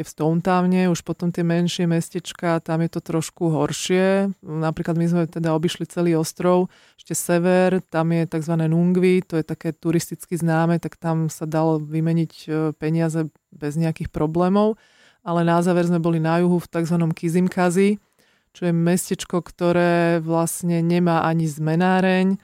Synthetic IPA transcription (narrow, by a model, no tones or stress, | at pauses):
ɛfst̪ɔʊnt̪aːʊɲɛuʃpɔt̪ɔmt̪ɪɛmɛnʃɪɛmɛscɛt͡ʃkat̪amjɛt̪ɔt̪ɾɔʃkuɦɔɾʃɪɛnapɾiːklad̪mizmɛt̪ɛd̪aɔbiʃlit͡sɛliːɔst̪ɾɔʊ | ɛʃcɛsɛʋɛɾt̪amjɛt̪aɡzʋanɛːnuŋɡʋit̪ɔjɛt̪akɛːt̪uɾist̪it͡skiznaːmɛt̪akt̪amsad̪alɔʋimɛɲicpɛɲɪazɛ | bɛzɲɛakixpɾɔblɛːmɔʊ | alɛnazaːʋɛɾzmɛbɔlinajuɦuft̪aɡzʋanɔmkizimkazi | t͡ʃɔjɛmɛscɛt͡ʃkɔkt̪ɔɾɛːʋlasɲɛɲɛmaːʔaɲizmɛnaːɾɛɲ